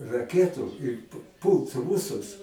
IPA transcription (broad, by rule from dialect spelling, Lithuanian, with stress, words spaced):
rɐˈkʲæːtuː ɪr p ˈpuːlˠt ˈruːsʊs